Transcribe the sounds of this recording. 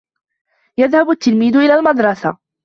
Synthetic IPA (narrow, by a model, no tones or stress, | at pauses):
jaðhabat̪ːɪlmiːd̪ʊʔɪlaːlmɑd̪ɾˤɑsa̰